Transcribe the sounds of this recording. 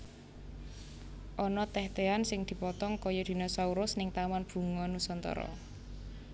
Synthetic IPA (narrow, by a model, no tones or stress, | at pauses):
ʔɔnɔt̪ɛht̪eansɪŋd̪̥i̤pɔt̪ɔŋkɔjɔd̪̥i̤nɔsauɾʊsnɪŋt̪amanb̥ṳŋɔnusɔnt̪ɔ̰ɾɔ̰